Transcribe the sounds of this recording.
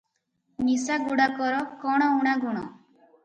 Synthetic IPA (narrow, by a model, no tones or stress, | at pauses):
nisaɡuɽakɔɾɔkɔɽ̃ɔuɽ̃aɡuɽ̃ɔ̰